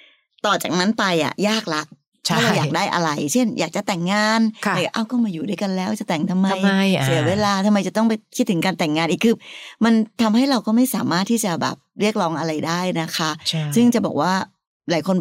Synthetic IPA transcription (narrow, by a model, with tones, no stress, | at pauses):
t̪ɔː˨˩t͡ɕaː˨˩k̚na˦˥npa˧jʔa̰˨˩jaː˥˩k̚la˦˥ʔ | t̪ʰːɾa˧wjaː˨˧k̚daː˥˩jʔa̰˧ɾa˧jt͡ɕʰe˥˩njaː˨˩k̚t͡ɕa˨˩t̪ɛ˨˩ŋːaː˧nʰ˧aː˨˩a˨˩ʔa˧˩wkɔː˥˩maː˧juː˨˩duː˥˩˨jka˧nlɛː˦˥wt͡ɕa˨˩t̪ɛ˨˩ŋt̪ʰa˧mːa˧jsi˨˩˦weː˧laː˧t̪ʰa˧mːa˧jt͡ɕa˨˩t̪ɔ˥˩ŋp̬a˧jkʰiː˦˥ɯ˩˦ŋkaː˧nt̪ɛ˨˩ŋːaː˧nʔiː˨˩kʰɯː˧ma˧nt̪ʰa˧mha˥˩jɾa˧wkɔː˥˩ma˥˩jsaː˩˦maː˥˩t̪ʰːiː˥˩t͡ɕa˨˩bɛ̰ː˨˩p̚ɾi˥˩ək̚lɔː˦˥ŋʔa˧ɾa˧jdaː˥˩jna˦˥kʰa˦˥ʔʰsɯ˥˩ŋt͡ɕa˨˩bɔ̰ː˨˩k̚waː˥˩ | laː˨˦jkʰo˧n